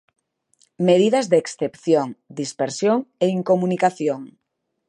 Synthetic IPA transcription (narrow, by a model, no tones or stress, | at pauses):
meðiðɐzðeeksθepθjoŋd̪ispeɾsjoŋeiŋkomunikaθjoŋ